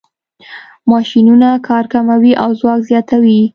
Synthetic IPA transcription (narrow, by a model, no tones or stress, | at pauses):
mɑʃinunakʰɑɾkamawiʔawzwɑkzjɑt̪awi